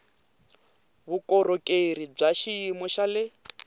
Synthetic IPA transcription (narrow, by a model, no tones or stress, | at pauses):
βukʼɔɾɔkʼeɾib͡ʐaʃiːmɔʃalɪ